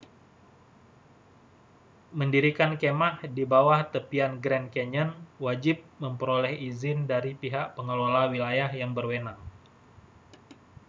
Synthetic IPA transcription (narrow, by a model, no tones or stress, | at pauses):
məndiɾikankemahdibawaht̪əpianɡɾɛnkeɲənwad͡ʒɪp̚məmpəɾolɛhizɪndaɾipiɦaʔpəŋəlolawilajaɦjaŋbərwenaŋ